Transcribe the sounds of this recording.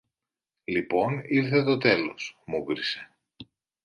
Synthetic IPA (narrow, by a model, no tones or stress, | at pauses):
lipo̞niɾθe̞t̪ot̪e̞lo̞smuɣɾise̞̥